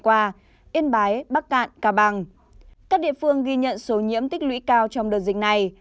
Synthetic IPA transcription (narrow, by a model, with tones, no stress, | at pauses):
kwaː˧ | ʔi˧ənɓaː˨˦jɓaː˦˥k̚ːa̰ː˧˨nkaː˧˩ɓa˧˩ŋ | kaː˦˥k̚ɗḭ˧˨əfɨ˧əŋɣi˧ɲə̰˧˨nso˨˦ɲḭ˧˥əmt̪ï˦˥k̟̚lwḭ˧˥kaː˧wt͡ɕɔ˧ŋ͡mɗəː˨˩jzï˨˩ŋ̟̚na˨˩j